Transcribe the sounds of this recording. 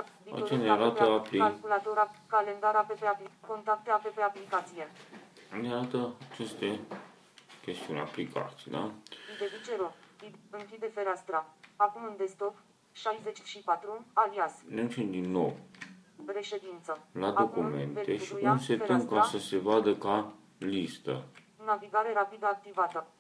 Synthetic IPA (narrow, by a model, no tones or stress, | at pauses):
via̰t͡ʃeneaɾat̪əapliakulat̪oɾakale̞nd̪aɾapepeapliko̞nt̪ɾak̚t̪eapepeaplikat̪sije̞ | neaɾat̪əat͡ʃe̞st̪e̞ | kʲe̞st̪iunʲa̰plikʰa̰t̪sid̪a̰id̪evit͡ʃe̞ɾoid̪ɨŋkʲid̪e̞fe̞ɾast̪ɾaakumɨnd̪e̞st̪o̞p | ʃajzet͡ʃʃipat̪ɾualiasned̪ut͡ʃemd̪inːo̞̰w | ɾe̞ʃe̞d̪int̪səlad̪o̞kume̞̰ntee̞ʃiuunse̞tɾɨŋŋk̪əasəse̞vad̪əka | list̪ə̰ | naviɡaɾe̞ɾapid̪əak̚t̪ivat̪ə